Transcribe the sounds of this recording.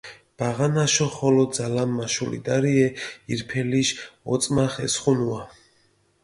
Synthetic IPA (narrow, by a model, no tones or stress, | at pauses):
b̥aʁanaʃɔχɔlɔzalamːaʃulḭd̪aɾiɛiɾpʰɛliʃɔt̪sʼmaχɛsχunua